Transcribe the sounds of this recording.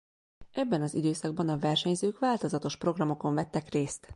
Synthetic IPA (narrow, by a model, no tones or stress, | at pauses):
ʔɛbːɛnɒzid̪øːsɒɡ̚bɒnɒvɛrʃɛɲzøːkʋaːlt̪o̞zɒt̪o̞ʃpro̞ɡrɒmo̞ko̞ɱvɛt̪ːɛkreːst̪